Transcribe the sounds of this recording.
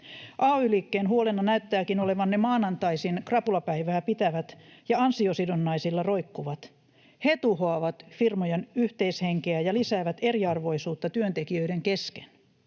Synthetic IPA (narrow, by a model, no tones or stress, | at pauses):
ʔɑːoylikːeːnɦuolenːɑnæyt̪ːæːkinole̞ʋɑnːemɑːnɑnt̪ɑisinkrɑpulɑpæiʋæːpit̪æʋæt̪jɑɑnsiosidonːɑisilːɑro̞ikːuʋɑt̪ | het̪uhoɑʋɑt̪firmojenyht̪eisheŋkeæjɑlisæːʋæt̪eriɑrʋo̞isuːt̪ːɑt̪yønt̪ekiø̞ideŋkeske̥n